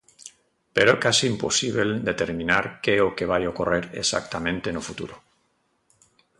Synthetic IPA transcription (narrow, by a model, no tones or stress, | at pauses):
peɾokasiːmposiβ̞eld̪et̪eɾminaɾkeokeβ̞ajokoreɾesa̰k̚t̪amẽnt̪enofut̪ṵɾo